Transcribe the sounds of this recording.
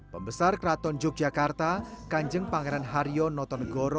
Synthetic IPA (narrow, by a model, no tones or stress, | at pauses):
pəmbəsarkɾat̪ɔɲd͡ʒʊk̚d͡ʒ̥akart̪akaɲd͡ʒəŋpaŋeɾanɦaɾijɔnɔt̪ɔnɡɔɾɔ